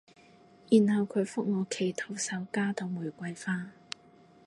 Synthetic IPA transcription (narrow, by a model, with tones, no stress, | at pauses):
jyː˨˩nhɐ˨wkʰɵ˨˧ɥfʊ˥k̚ŋɔː˨˧kʰe˨˩jt̪ʰo˨˧wsɐ˨˧wkaː˥t̪ʰʊ˨wmuː˨˩jkʷɐ˧jfaː˥